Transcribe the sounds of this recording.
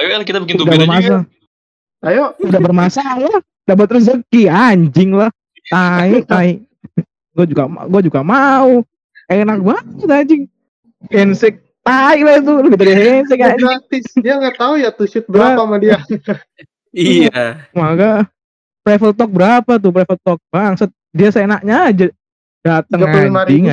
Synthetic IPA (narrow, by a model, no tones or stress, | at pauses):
awelahkit̪abəkɪnut̪udabərmas̬a | ajoudabərmasaah | dabat̪ːɾʊs̬səkiaɲd͡ʒɪŋlah | t̪aiʔt̪aiʔ | ɡuad͡ʒuɡama̰ɡuad͡ʒuɡamau | anak̚batit̪aɲd͡ʒɪŋ | hɛnsɛk̚ | t̪aɪklahit̪̬uləbit̪adiɦɛnsɪkaɲat̪ɪsdiaŋɡat̪aujat̪uʃʊt̪̚bəɾapamadia | imaɡa | pɾefəlt̪ɔk̚bəɾapat̪̬ʊpɾefəlt̪ɔk̚baŋsət̪̚diasəenak̚ɲaːd͡ʒa | dat̪əŋaamad͡ʒiŋa